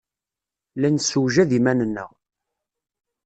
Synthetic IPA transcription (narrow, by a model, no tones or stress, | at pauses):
lænsuwʒæðimænənːə̰ʁ